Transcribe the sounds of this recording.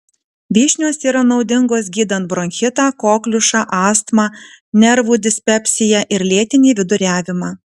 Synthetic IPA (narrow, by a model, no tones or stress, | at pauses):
ʋʲiːʃʲnʲoːsiːɾɐnɒʊd̪ʲɪŋɡoːsɡʲiːd̪ɐnt̪̚bɾɔŋʲxʲɪt̪ɑːkoːklʲʊʃɑːʔɑːst̪mɑːnʲɛɾʋuːd̪ʲɪsʲpʲɛpʲsʲɪjɛʔɪɾlʲeːt̪ʲɪnʲiːʋʲɪd̪ʊɾʲæːʋʲɪmɑː